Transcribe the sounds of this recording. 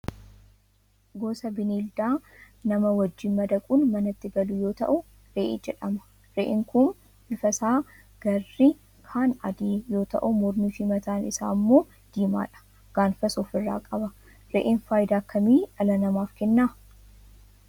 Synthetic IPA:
ɡo̞ːsɐbɪniːld̪aː | nɐmɐwɐd͡ʒːɪnmɐd̪ɐkʼuːnmɐnɐt̪ːɪɡɐlʊjo̞ːt̪ɐ̰ʔʊ | ɾeːʔḛːd͡ʒɛᶑɐmɐ̥ | ɾeːʔɪŋkʊn | ɪfɐsaː | ɡ̥ɐrːɪ | kʰaːnɐd̪eːjo̞ːt̪ɐ̰ʔʊmɔɾnifimɐt̪aːnɪsa̰ːmːo̞ː | d̪̥iːma̰ːᶑɐ̥ | ɡ̥aːnfɐsɔːfɪrːa̰ːkʼɐbɐ | ɾḛːʔɪnfaːjd̪aːkːɐmiːᶑɐlɐnɐmaːfkɛnːaː

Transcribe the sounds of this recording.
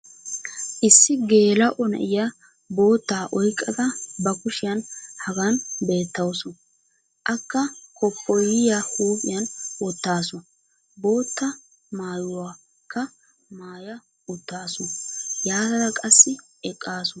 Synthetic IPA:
ʔɪsːɪɡe̞ːlɐʔɔnɛ̰ʔɪjɐ | bo̞ːt̪ːaːʔɔjkʼːɐd̪ɐbɐkʊʃɪjɐnhɐɡɐnbe̞ːt̪ːɐwsɔ | ʔɐkːɐkʰɔpːɔjɪjahuːpʼɪ̰jɐnʊt̪ːaːsɔ | bo̞ːt̪ːɐ | maːjʊwaː | kːɐ | maːjɐ | ʊt̪ːaːsɔjaːd̪ɐd̪ɐkʼɐsːɪ | ɛkʼːaːsʊ

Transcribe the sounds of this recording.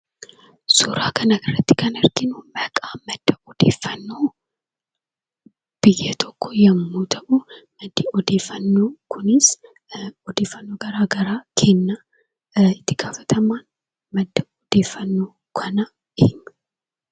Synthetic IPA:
suːɾaːkɐnɐɪrːɐt̪ːɪ̥kɐnɪɾɡɪnʊbɐkʼaːmɐd̪̥ːɐɔd̪̥e̞̰ːfːɐnːoː | b̥ɪjeːt̪ʰɔkːɔjɐmːuːt̪ʰɐʔʊmɐd̪ːiɔd̪e̞ːfːɐnːoːkʰʊnɪs | ɔd̪e̞ːfːɐnːoːɡɐɾaːɡɐɾaːkʰe̞ːnːa | ɪt̪ːɪɡaːfɐ̥t̪ʰɐmaːn | mɐd̪ːɐɔd̪eːfːɐnːoː | kʰɐnɐ | ɪhɪnːɐ̥

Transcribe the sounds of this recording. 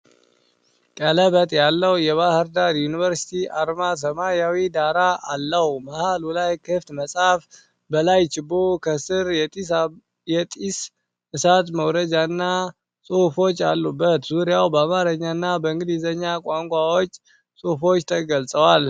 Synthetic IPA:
kʼələβət̪ʼjalːəwjɛβahɨɾd̪aɾjunivəɾsi̥t̪ʰiʔaɾmas̬əmajawid̪aɾaʔalːəhumahalulajkʰɨft̪məsʼaf | bəlajt͡ʃɪbokʰəsɨɾɛ | jɛt̪ʼis | ɨsat̪məwɾəd͡ʒanːa | sʼohfo̞t͡ʃːalːubːət̪zuɾijawbəamaɾəɲːanːabəɨŋɡɨd̪izəɲːakʼaŋkʷʼawot͡ʃʼː | sʼofo̞t͡ʃːt̪ʰəɡəlsʼəwal

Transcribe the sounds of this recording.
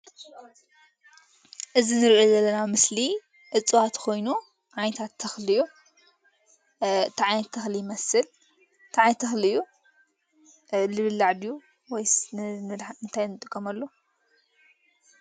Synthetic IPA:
ʔɨzinɨɾʔozɐlːɐnamɨsli | ʔɨt͡sʼːɨwat̪kʰo̞jnu | ʕajnt̪ʰat̪ʰːɐxlɨju | t̪ʰaʕajnɐt̪ʰːɐxlijmɐsɨl | t̪ʰaʕajnt̪ʰɐxlɨjːu | lɨβɨlːaʕd̪ju | wɔjnɨɨnt̪ʰajnɨt̪ʼɨkʼːɐmɐlːo

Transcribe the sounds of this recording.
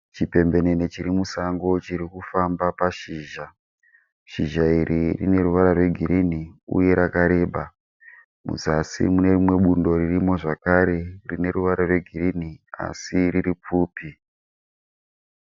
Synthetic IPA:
t͡ʃipe̞mbe̞nenet͡ʃiɾimusaŋɡo̞t͡ʃiɾikufambapaʃiːʒa | ʃiʒairirḭne̞ɾuʋaɾarwe̞ɡʱiɾiniṵje̞ɾakaɾe̞ːɓa | mṵzasḭmune̞rimwe̞ɓundo̞ririmo̞ʐakaɾe̞rine̞ɾuʋaɾarwe̞ɡʱirinia̰siriɾip͡fuːpi

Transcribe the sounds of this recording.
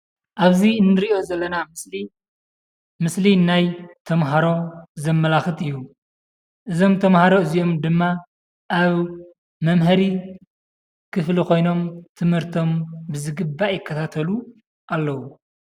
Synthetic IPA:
ʔaβzinːɨɾiʔo̞zɐlːɐnamɨsli | mɨslinajt̪ʰɐmɦaɾo̞zɐmːɐlaxɨt̪ɨjːu | ʔɨzo̞mt̪ʰɐmhaɾo̞ɨzio̞md̪ɨmːa | ʔaβ | mɐmɦɐɾi | kʰɨflikʰo̞jno̞mt̪ʰɨmhɨɾt̪ʰo̞mbɨzɨɡɨbːajɪkʰːɐt̪ʰat̪ʰɐlu | ʔalːɐwu

